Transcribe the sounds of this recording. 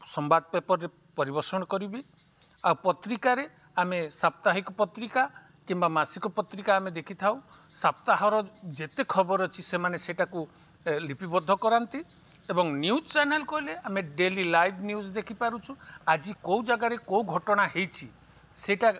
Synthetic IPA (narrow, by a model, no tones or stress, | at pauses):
sɔmbad̪̚pepɔɾːe | pɔɾibɔɾsɔɽ̃ɔkɔɾibi | awpɔt̪ɾikaɾe | amesap̚t̪aɦikɔpɔt̪ɾika | kimbamasikɔpɔt̪ɾikaːmed̪ekʰit̪ʰaw | sap̚t̪aɦɔɾɔd͡ʒet̪ekʰɔbɔɾɔt͡ʃʰisemaneseʈaku | lipibɔd̪ʱɔkɔɾant̪i | ebɔŋnjud͡ʒt͡ʃanelkɔɦileameɖelilajbʱnjud͡ʒd̪ekʰipaɾut͡ʃʰuad͡ʒikowd͡ʒaɡaɾekowɡʱɔʈɔɽ̃aɦejt͡ʃʰi | seʈa